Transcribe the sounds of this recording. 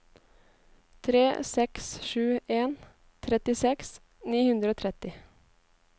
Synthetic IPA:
t̪ʰɾeːsɛksʃʉːeːn | t̪ʰɾɛt̪ɪsɛks | niːhʉnd̪ɾəoːt̪ʰɾɛt̪ɪ

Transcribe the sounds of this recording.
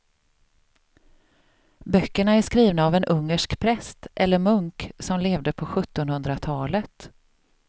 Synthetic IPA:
bœkːəɳaæʂkɾiːvnaːvɛnʔɵŋːəʂkpʰɾɛst̪ʔɛlːəɾmɵŋksɔmleːvd̪əpʰɔɧɵt̪ːɔnhɵnd̪ɾat̪ʰɑːlət̪

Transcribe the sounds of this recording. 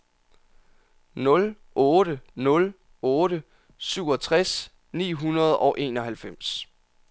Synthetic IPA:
nɔ̽l | ʔɔːɾənɔ̽l | ɔːɾə | syʊ̰ɒ̽t͡sʰʁas | nḭːɦunɐð̞ˠɒ̽ʊʔe̝̰ːnɒ̽ɦælfem̰s

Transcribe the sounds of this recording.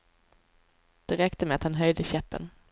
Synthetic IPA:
d̪̥ɛɾɛkt̪əmeat̪hanɦœjd̪əɕɛpːə̰n

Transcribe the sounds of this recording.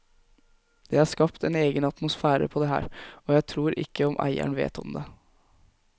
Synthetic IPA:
d̪̥ɛhɑːʂkɑpt̪ɛneːɡənɑt̪mʊsfæːɾə̰pʰɔd̪ɛɦæ̰ːɾɔjæɪt̪ʰɾuːɾʔɪ̰kːəɔmʔæ̰ɪæ̰ɳʋḛːt̪ɔmd̪ɛ

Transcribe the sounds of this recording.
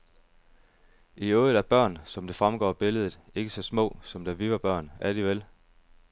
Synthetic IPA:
iɔːðˠdˠæɐb̥ɶɐ̰nsɒ̽md̥e̝fʁamɡ̥ɒ̰ːb̥e̝ləð̞ˠð̩ˠe̝ɡ̥əsɒ̽smɔ̰̽ːsɒ̽md̥æʋiʋɑ̈b̥ɶɐ̰næɐd̥iʋel

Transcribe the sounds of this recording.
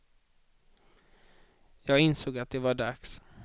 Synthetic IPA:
jɑːɡɪnsoːɡat̪̚d̪ɛvaɖaks

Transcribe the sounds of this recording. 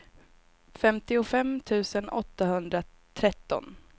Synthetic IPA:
fɛmt̪ɪʊfɛmt̪ʰʉ̟ːsənɔt̪ːahɵnd̪ɾa | t̪ʰɾɛt̪ːɔ̰n

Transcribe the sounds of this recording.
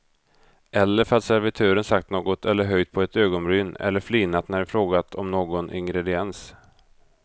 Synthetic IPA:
ʔɛlːəɾfœɾat̪sæɾvɪt̪ʰøːɾənsak̚t̪noːɡɔt̪ʰɛlːəɾɦœjd̪̚pʰɔɛt̪øːɡɔnɾʏːnɛ̰lːəɾfliːnat̪næɖɛfɾoːɡat̪ʰɔmnoːɡɔnʔɪ̰ŋɡɾɛd̪ɪɛns

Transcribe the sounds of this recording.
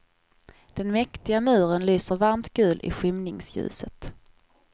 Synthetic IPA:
d̪̥ɛnmɛkt̪ɪɡamʉ̟ːɾənlyːsəɾvaɾmt̪ɡ̥ʉ̟ːlɪ̰ɧɪmnɪŋsjʉ̰ːsət̪

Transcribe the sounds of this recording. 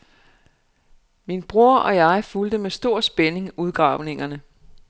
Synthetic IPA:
minb̥ʁo̝ɐʔɒ̽jɑ̈ɪfuld̥əmesd̥o̝ɐ̰sb̥ene̝ŋuð̞ˠɡ̥ʁɑ̈ʊne̝ŋɐnə

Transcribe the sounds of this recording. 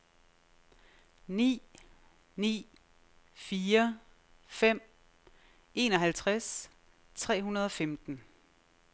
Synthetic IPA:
nḭː | nḭː | fiːɐ | fem̰ | e̝ːnɒ̽ɦælt͡sʰʁas | t͡sʰʁɛ̰ːɦunɐð̞ˠɒ̽femd̥n̩

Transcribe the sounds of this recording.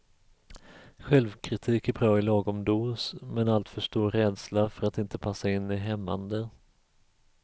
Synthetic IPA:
ɧɛlvkʰɾɪt̪ʰiːkæɾbɾɑːɪlɑːɡɔmd̪uːsmɛnalt̪fœʂt̪uːɾɾɛːd̪slafœɾat̪ɪnt̪əpʰasːaɪnːɪɦɛmːa̰nd̪ə

